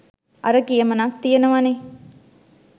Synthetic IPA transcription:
ɐ̰ɾəkijemɐnak̚t̪ijenuʋane

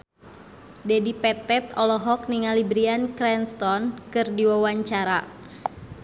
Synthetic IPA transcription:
dɛdipɛt̪ɛt̪ɔlɔɦɔk̚niŋalibɾiankɾɛnst̪ɔnkɨrdiwawaɲt͡ʃaɾa

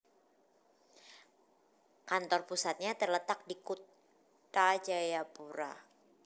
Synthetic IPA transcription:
kant̪ɔrpusat̪̚ɲat̪ərlət̪ak̚dikut̪ | t̪ad͡ʒajapuɾa̰

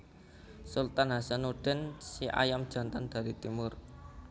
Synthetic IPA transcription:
sult̪anɦasanoɖ̥ɛnsiʔa̰jamd̥ʒ̥a̤nt̪and̪̥a̤ɾit̪imʊr

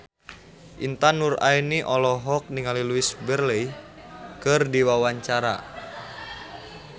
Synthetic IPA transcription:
ʔint̪anurainiʔɔlɔɦɔk̚niŋaliluisbərlɛ | kɨrdiwawaɲt͡ʃaɾa̰

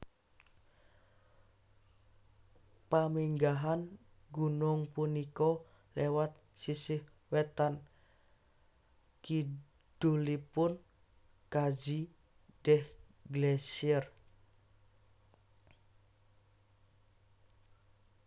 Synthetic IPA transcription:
pamiŋɡaɦan | ɡunʊŋpunikɔ | lewat̪̚sisɪh | wɛt̪an | ki | ɖ̥ulipʊn | kad͡ʒi | d̥ɛh | ɡlɛsər

